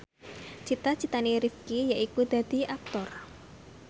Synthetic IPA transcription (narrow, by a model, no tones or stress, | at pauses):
t͡ʃit̪at͡ʃit̪aniɾifkijaʔikud̪̥a̤d̪̥i̤ʔak̚t̪ɔr